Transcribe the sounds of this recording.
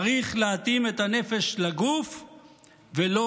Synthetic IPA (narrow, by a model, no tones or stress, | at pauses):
ʁiχleat̪imet̪hane̞feʃlaɡuf | velo